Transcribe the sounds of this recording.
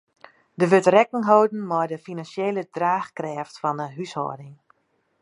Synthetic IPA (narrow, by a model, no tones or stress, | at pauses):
dəʋøtrɛkəŋɦowdn̩mɔjdəfinansjeːlədraːxkrɛːftfɔnəɦyshɔ̰ːdɪŋ